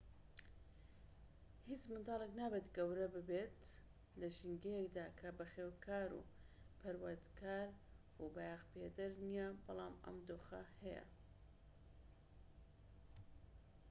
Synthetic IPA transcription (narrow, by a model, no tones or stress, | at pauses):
hit͡smɨnd̪ɑːlˠeknaːbet̪ɡɐwɾɐbɨbet̪ | lɐʒiŋɡejekd̪aːkʰɐbɐxeːwkʰaːɾṵ | pʰɐɾwɐɾd̪kʰaːɾ | ubajaɣped̪ɐɾnijɛbɑlˠɑːmɐ̰md̪oːxɐhɛjɐ̰